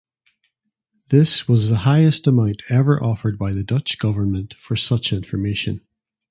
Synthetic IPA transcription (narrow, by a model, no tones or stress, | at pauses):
ðɪswɔzðəhaɪəstəmãʊ̃nʔʰɛvə˞ʔɔfə˞d̚baɪðədʌt͡ʃɡ̥ʌvə˞nmə̃nʔfə˞sʌt͡ʃɪ̃ɱfə˞meʃə̰̃n